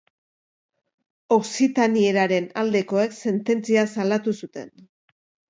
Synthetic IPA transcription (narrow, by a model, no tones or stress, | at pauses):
o̞ksit̪anie̞ɾaɾe̞nald̪e̞ko̞e̞kse̞nt̪e̞nt͡siasalat̪usut̪e̞̰n